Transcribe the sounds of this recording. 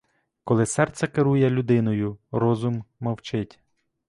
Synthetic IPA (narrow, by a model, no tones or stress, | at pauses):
kɔlˠɪsɛrt̪sʲɐkeɾujɛlʲʊd̪ɪnɔjʊɾɔzʊmːɐwt͡ʃɪtʲ